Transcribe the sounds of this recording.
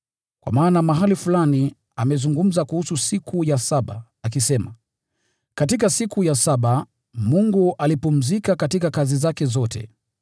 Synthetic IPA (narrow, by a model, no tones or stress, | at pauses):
kwa̰maːnamaɦalifulani | amɛzuŋɡum̩zakuhususikʰujasaɓa̰ː | k̬isɛma̰ | katik̬asikujasaɓa | muŋɡuʔalipum̩zikakatikakazizakɛzɔtɛ̰